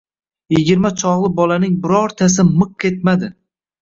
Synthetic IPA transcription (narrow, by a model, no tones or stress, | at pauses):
jɪɡʲɪɾmat͡ʃʰɒʁlˠɪbɒlanɪŋbɪɾɒɾt̪ʰas̬ɪmɨq̚kʲʰe̞t̪̚mad̪ɪ